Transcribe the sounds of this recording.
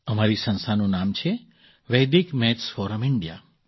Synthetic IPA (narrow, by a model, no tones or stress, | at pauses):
əmaɾisə̃nsanũnamt͡ʃʰe | ʋejd̪ikmɛt̪sfɔɾəmɪɳɖija̰